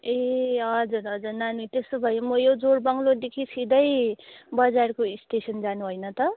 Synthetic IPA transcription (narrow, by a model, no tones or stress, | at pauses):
eɦʌd͡zuɾɦʌd͡zurnanit̪est̪obʱʌjimʌjod͡zorbʌŋlod̪ekʰisid̪ʌjbʌd͡zarkoisʈesʌnd͡zanuɦojnʌt̪ʌ